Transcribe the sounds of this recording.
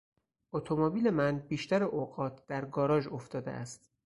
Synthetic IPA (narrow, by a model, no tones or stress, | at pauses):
ot̪ʰomobiːle̞mænbiːʃt̪æɾeʔoːɡɒːt̪ʰd̪̥æɾɡɒːɾɒːʒo̞ft̪ɒːd̪ḛʔæ̰st̪